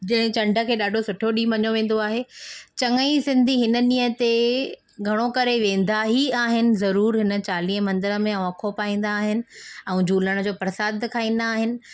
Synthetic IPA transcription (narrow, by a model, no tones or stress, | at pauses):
d͡ʑɐñt͡ɕɐ̃ɳɖʱə̆kʰeːɗaːɖʱosʊʈʰjoɗiːmʋɐɲoʋẽːn̆d̪oaːɦet͡ɕɐŋəisɪ̃nd̪ʱiɦɪnə̆ɗĩːə̃t̪e | ɡʱɐɽ̃okɐɾeʋẽːn̆d̪aɦiaːɦɪnɪ̆zɐɾuːɾɦɪnə̆t͡ɕaːliːɦə̃mɐ̃nd̪əɾə̆mẽɛ̃ɐkʰopaːĩːn̆d̪aːɦɪnɪ̆ɛ̃ːd͡ʑʱuːləɽ̃d͡ʑoːpɾɐsaːd̪kʰaːĩːn̆d̪aːɦɪnɪ̆